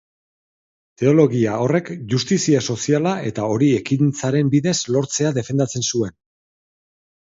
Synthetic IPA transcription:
t̪e̞o̞lo̞ɣiao̞re̞kʝust̪isiaso̞sialae̞t̪ao̞ɾie̞kint͡saɾe̞mbiðe̞zlo̞ɾt͡se̞aðe̞fe̞nd̪at͡se̞nsue̞n

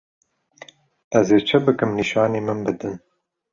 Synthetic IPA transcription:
ɛzeːt͡ʃʰɨbɨkɨmniʃɑːneːmɨnbɨd̪ɨn

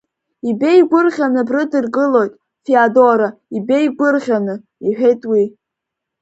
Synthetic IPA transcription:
ibe̞jɡʷʊrʁʲanɨbrɨdɨrɡɨlo̞jtʼ | fiadoɾaibe̞jɡʷʊrʁʲanɨ | iħᶣejtʼwi

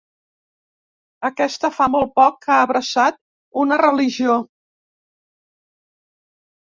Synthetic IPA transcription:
əkɛst̪əfamolˠt̪̚pɔkːaəβɾəsat̪̚ | unərəliʒio

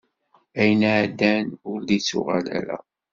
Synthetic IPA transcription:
æjənʕd̪ːænʊɾðit͡sːṵʁælæ̰ɾæ̰

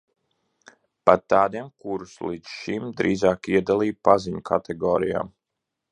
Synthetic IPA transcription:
pat̪aːd̪iɛmkuɾuslˠid̪sʃimd̪ɾiːzaːkiɛd̪alˠiːpaziɲukʰat̪ʰɛɡɔːɾija̰ːm

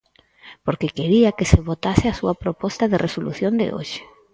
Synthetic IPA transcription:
poɾkekeɾiakeseβot̪asɪasuapɾopɔst̪aðerʔesolṵθjõnd̪ḛʔo̰ʃɪ̥

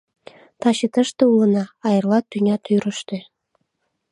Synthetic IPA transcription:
t̪ɑɕet̪əʃt̪ɤ̆ulɤ̆nɑːjɤrlˠɑt̪ːynʲɑt̪yɾə̆ʃt̪ĕ

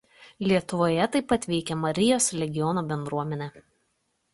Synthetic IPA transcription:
lʲiɛt̪ʊʋoːjɛt̪ɐɪpːɐt̪ʲʋʲɛɪkʲɛmɐɾʲɪjoːslʲɛɡʲɪjɔnoːbʲɛnd̪ɾuɔmʲɛnʲɛː

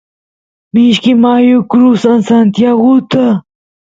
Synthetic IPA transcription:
miːɕkimaːjukɾuːsɐnsant̪jawut̪ɐ

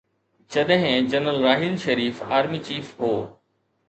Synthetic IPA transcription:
d͡ʑɐɗɦɪ̃d͡ʑɐnəlɾaːɦɪlʃɐɾiːfaːɾmit͡ɕiːfɦoː

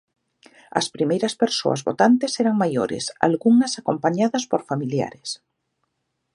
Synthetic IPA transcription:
ɐ̰spɾimejɾɐspeɾso̰ɐ̰zβot̪ant̪esɛɾaŋmajoɾḛsa̰lɣuŋɐsakompaɲaðɐspoɾfamilja̰ɾes

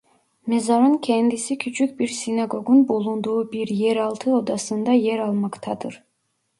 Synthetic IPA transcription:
mezaɾɯncʰɛnd̪isicʰyt͡ʃʰyc̚ʲbiɾsinaɡo̞ɡunbulˠund̪uːbiɾjɛɾɑlˠt̪ʰɯo̞d̪ɑsɯnd̪ɑjɛɾɑlˠmɑkt̪ʰɑd̪ɯɾ̥

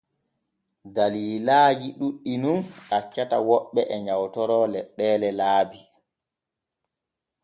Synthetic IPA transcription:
daliːlaːd͡ʒiɗuɗːinumʔat͡ʃːatawɔɓːɛʔɛɲawtɔɾɔlɛɗːɛːlɛlaːbi

